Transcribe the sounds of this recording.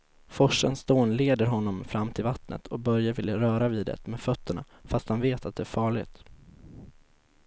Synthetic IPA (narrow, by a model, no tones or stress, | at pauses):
fɔʂːənsd̪oːnleːd̪əɾɦɔnːɔmfɾamːt̪ʰɪlvat̪nə̰t̪ʰɔk̚bœɾjavɪljaɾœːɾaviːd̪ɛ̰t̪meːfœt̪ːəɳa̰ | fast̪hanveːt̪at̪̚d̪ɛæɾfɑːɭɪ̰ɡt̪